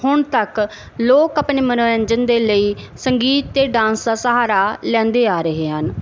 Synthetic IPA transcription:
hʊɳt̪ək | loːkəpɳeːmənoːɾəɲd͡ʒənd̪eːləiːsəŋɡiːt̪ːeːɖãːnsd̪aːsəɦaːɾaːlɛ̃ːnd̪eːaːɾəɦeːɦən

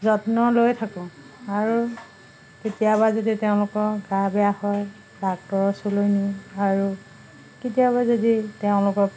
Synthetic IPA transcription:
zɔtnɔlojtʰakɔ̃ | aɹu | ketijaβazoditeʊ̃lʊkɔɡabɛjahɔj | bak̚tɔɹɔsolojniaɹu | ketijaβazoditeʊ̃lʊkɔk

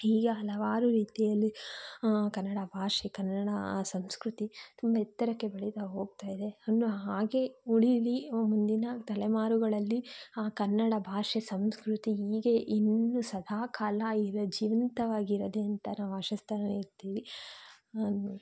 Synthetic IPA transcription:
iːɡɐɐlɐʋaːɾuɾiːt̪ijɐlːi | kɐnːɐɽɐbʱaːʂɛkɐnːɐɽɐsɐmskɾut̪it̪umbɐɛt̪ːɐɾɐkːe̞bɐɭit̪ɐɦo̞ːɡ̚t̪aːjid̪e̞ɐnuɦaːɡe̞uɭilimund̪inɐt̪ɐlɛmaːɾuɡɐɭɐlːiaːkɐnːɐɽɐbʱaːʂesɐmskɾut̪iiːɡeʔinːusɐd̪ʱaːkʰaːlɐiɾɐd͡ʒiːʋɐnt̪ɐʋaːɡiɾɐd̪eɐnt̪ɐnaːʋaːʂɐst̪ʰɐɾɐneiɾt̪iːʋi | u

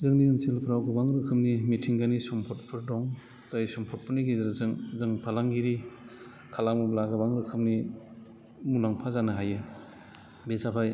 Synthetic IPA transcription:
zɯŋniɯnsilpʰɾawɡɯbaŋɾɯkʰɯmnimitʰiŋɡanisɔmpʰɔt̚pʰɯɾdɔŋ | tajsɔmpʰɔt̚pʰɯniɡizɾzɯŋzɯŋpʰalaŋɡiɾi | kʰalamublaɡɯbaŋɾɯkʰɯmni | munaŋpʰazanɯɦajɯ | bezapʰaj

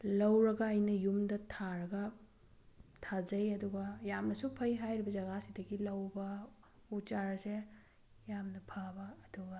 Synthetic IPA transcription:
lɐwɾɐɡɐɐjnɐjumdɐtʰaɾɐɡɐ | tʰazɐjɐduɡɐjamnɐsupʰɐjɦajɾibɐzɐɡasidɐɡilɐwbɐ | ut͡ʃaɾse | jamnɐpʰabɐːduɡɐ

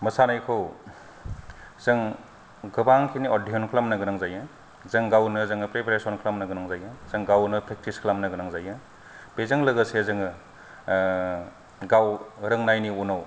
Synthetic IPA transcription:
mɐsanajkʰɯw | z̥ɯŋ | ɡɯbaŋkʰiniodiɔnkʰlamnɯɡɯnɯŋzajɯ | zɯŋɡawnɯzɯŋɯpɾepʰɾesɔnkʰlamnɯɡɯnɯŋzajɯzɯŋɡawnɯpʰɾek̚tiskʰlamnɯɡɯnaŋzajɯ | b̥ezɯŋlɐɡɯsezɯŋɯ | ɡawɾɯŋnajniunaw

